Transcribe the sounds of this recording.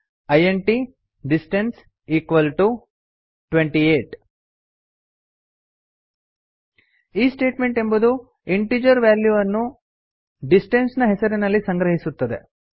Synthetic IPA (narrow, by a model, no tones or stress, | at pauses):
ɐjeɳʈi | ɖisʈens | iːkʋɐlʈu | ʈʋeɳʈieːʈ | iːsʈe̞ːʈme̞ɳʈe̞mbud̪u | iɳʈiːd͡ʒɐɾʋjaːljuɐnːu | ɖisʈensnɐɦesɐɾinɐlːisɐŋɡɾɐɦisut̪ːɐd̪e̞̰